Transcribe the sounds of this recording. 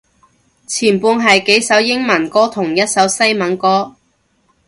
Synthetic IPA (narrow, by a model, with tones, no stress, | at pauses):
t͡sʰiː˨˩npuː˧nɦɐ˨jke˨˥jsɐ˨˥wjɪ˥ŋmɐ˨˩nkɔː˥t̪ʰʊ˨˩ŋjɐ˥t̚sɐ˨˥wsɐ˥jmɐ˨˥nkɔː˥